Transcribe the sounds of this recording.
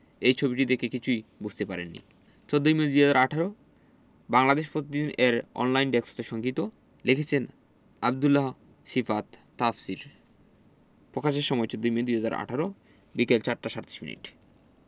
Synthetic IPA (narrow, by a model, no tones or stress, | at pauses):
ejt͡ɕʰobiʈid̪ekekit͡ɕʰujbud͡ʑʱt̪epaɾḛnːḭ | t͡ɕod̪ʱːoimed̪ujɦɛd͡ʑaɾaʈʰaɾo | baŋlad̪eʃpɾot̪id̪ineɾɔ̰nlajnɖekso̥t̪eʃɔŋɡit̪o | lekʰet͡ɕʰen | abd̪ulːaɦ | ʃifat̪ːafsiɾ | pɾokʰaʃeɾʃɔmɔet͡ɕod̪ʱːoimed̪ujɦad͡ʑaɾa̰ʈʰaɾo | bikelt͡ɕaɾʈaʃaɾt̪i̥ʃmḭnḭʈ